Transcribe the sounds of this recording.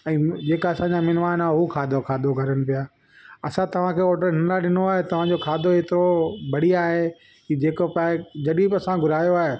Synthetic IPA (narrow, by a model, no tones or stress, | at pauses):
ɛ̃ːd͡ʑeːkaɐsãːɲd͡ʑamɪnʋaːnaːɦɦukʰaːd̪okʰaːd̪ʱoɡʱɐɾənɪ̆pijaː | ɐsãt̪ɐʋ̤ãkʰeːoːʈəɾɦɪnlaɗɪnoaːɦet̪ɐʋ̤ãd͡ʑoːkʰaːd̪ʱoeːt̪ɪɾobɐɽ̤iaːɦe | id͡ʑeːkopaːed͡ʑɐɗibɐsãɡʱʊɾaːjoaːɦe